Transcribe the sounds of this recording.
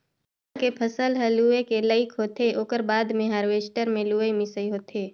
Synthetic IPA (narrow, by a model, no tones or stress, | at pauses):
kepʰəsəlɦəluːekeləɪkʰɦoːt̪eʔoːkəɾbaːd̪mẽɦaːɾweːsʈəɾmẽluːemɪsəiɦoːt̪ʰeː